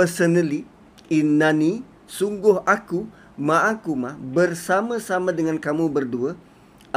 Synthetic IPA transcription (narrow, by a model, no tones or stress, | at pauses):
əsənəli | inani | suŋɡʊhaku | mãʔakumabərsamãsamãdəŋankamũbərduə